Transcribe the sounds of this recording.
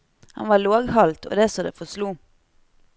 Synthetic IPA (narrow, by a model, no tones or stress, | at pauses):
hɑ̰nʋɑːɭoːɡhɑlt̪ʰo̰ːd̪eːsɔd̪ḛːfɔsluː